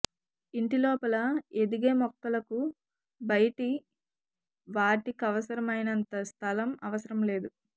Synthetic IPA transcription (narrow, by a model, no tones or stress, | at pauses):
iɳʈilɔːpɐlɐe̞d̪iɡeːmɔkːɐlɐku | bɐjʈi | ʋaːʈikɐʋɐsɐɾɐmɐjnɐnt̪ɐst̪ʰɐlɐmɐʋɐsɐɾɐmle̞ːd̪u